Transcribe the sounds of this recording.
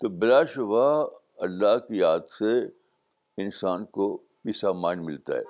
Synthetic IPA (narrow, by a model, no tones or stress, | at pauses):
t̪obɪlaːʃʊʋa | ɐlːaɦkijaːd̪se | ɪnsaːnko | piːsaːmaːnmɪlt̪a̰ɦɛ̰ː